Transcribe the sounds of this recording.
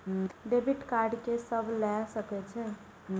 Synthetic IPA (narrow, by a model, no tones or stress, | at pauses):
ɖebʱiʈkaɾɖkesəbʱlɛsəkɛt͡ʃʰɛ